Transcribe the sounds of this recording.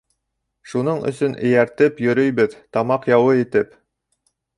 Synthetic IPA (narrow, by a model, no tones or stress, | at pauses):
ʃunɤɴɵ̰̆sɵnʔɘ̆jæɾt̪ɘpjɵ̆ɾɵjbɘðt̪ɑmɑqjɑwɤit̪ɘp